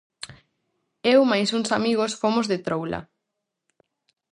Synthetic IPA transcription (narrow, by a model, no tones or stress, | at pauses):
ewmajsuŋsamiɣ̞osfomozðet̪ɾowla̰